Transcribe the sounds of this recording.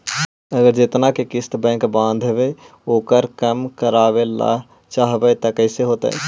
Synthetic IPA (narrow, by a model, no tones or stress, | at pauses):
əɡəɾd͡ʒet̪nakekɪst̪bɛ̃kbãːnd̪ʱɦebe | oːkəɾkəmkəɾaːbela̰ | t͡ʃaɦbət̪əkəɪseɦoːt̪ə̰e